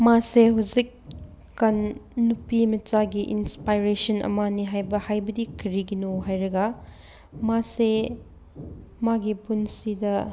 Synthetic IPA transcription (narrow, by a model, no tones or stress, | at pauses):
maseɦawzikː | ɐnːupimɐt͡ʃaɡiʔinspajɾesɐnɐ̰maniɦajbɐhajbɐdikʰɐɾiɡinoɦajɾɐɡɐ | mase | maɡipunsidɐ